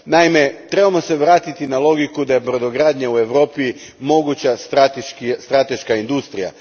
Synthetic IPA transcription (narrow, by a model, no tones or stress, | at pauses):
naime̞t̪ɾe̞bamo̞se̞ʋɾaːt̪it̪inalˠo̞ɡikud̪ajepɾod̪oɡɾaːd̪ɲaue̞ʋɾo̞ːpi | mo̞ɡut͡ɕast̪ɾat̪eʃkst̪ɾat̪e̞ʃkaind̪ust̪ɾija̰